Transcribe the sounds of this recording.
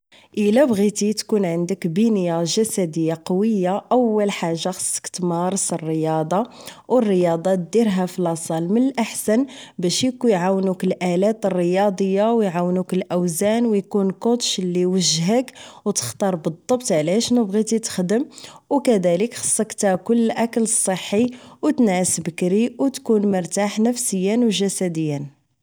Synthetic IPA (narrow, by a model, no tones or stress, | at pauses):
ʔəlæbɣit̪it̪kunʕənd̪əkbinəjaʒæsæd̪əjːaqɑwəjːaʔəwːəlħaʒːaxɑ̥sˤːə̥kt̪mɑɾˤsərːəjɑd̪ˤɑ | wʔərːəjɑd̪ˤɑt̪̚d̪iɾɦæflɑsˤɑlmənəlʔaħsænbæʃjkujʕawnukəlʔælæt̪ərːəjɑd̪ˤəjːawjʕawnukəlʔæwzænwjkunkot̪ʃlːiwəʒɦəkwt̪ə̥xt̪ɑɾˤbəd̪ˤːɑbt̪ʕlæʃnəbɣit̪it̪ə̥xd̪əmwkæd̪æləkxɑ̥sˤːɑkt̪ækʊlːʔækələsˤːəħːiwt̪nsbəkɾiwt̪kunməɾt̪aħnəfsəjːənwʒæsæd̪əjːən